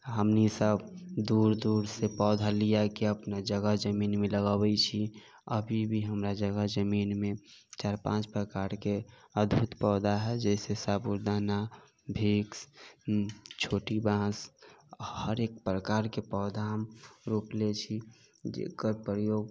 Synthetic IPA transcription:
ɦəmnisəbd̪uɾd̪uɾsepɔːd̪ʱalijakiəpnad͡ʒəɡəɦd͡ʒəminmeləɡabɛt͡ʃʰi | əbʱibʱiɦəmɾad͡ʒəɡəd͡ʒəminmẽt͡ʃaɾpãt͡ʃpɾəkaɾkeəd̪bʱut̪pɔːd̪ʱaɦɛd͡ʒɛsesəbuɾd̪ana | bʱiks | t͡ʃʰoːʈibãːs | həɾek̚pɾəkaːɾkepɔːd̪ʱamɾuplet͡ʃʰi | d͡ʒḛkəɾpɾəjoːɡ̚

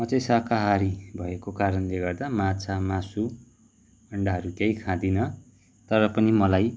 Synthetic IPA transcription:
mʌt͡sʌ̃sakaɦaɾibʱʌekokaɾʌnleɡʌrd̪amãt͡sʰamãsu | ʌɳɖaɦʌɾukjaĩkʰãd̪inʌ | t̪ʌɾʌpʌnimʌlaj

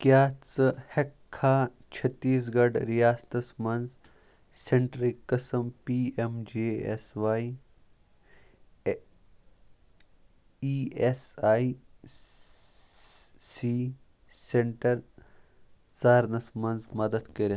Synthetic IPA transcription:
kjaːt͡sɨhɐkʰːaː | t͡ʃʰɐt̪ːiːs̬ɡɐɖɾijaːst̪ɐsmɐnz | seɳʈɾikɐsɐmpiːemd͡ʒeːḛsʋaːi | iːesaːi | siː | seɳʈɐɾ | t͡saːɾnɐsmɐnzmɐd̪ɐd̪kɐɾe

